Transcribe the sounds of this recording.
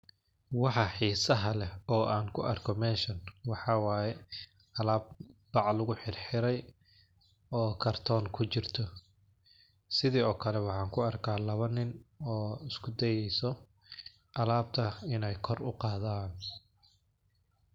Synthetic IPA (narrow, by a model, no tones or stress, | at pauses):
wɑħɑħiːsɐɦɐlɛɔːʔaːŋkʰʊʔɐ̰rkʰɔmɛːnʃɐnwɑħɑːwɑːjɛ | ʔɐlaːb̚b̥ɑʕlʊɣʊħɪrħɪɾɛj | ɔːkʰɐrt̪ʰɔːŋkʰʊt͡ʃɪrt̪ʰɔ | sɪðiːɔːkʰɐlɛwɑħɑːŋkʰʊɐrkʰaːlɐβɐnɪnɔːɪskʰʊd̪ɛjɛjsɔ | ʔɐlaːb̚t̪ʰɐɪnɛjkʰɔrʊqɑːðaːn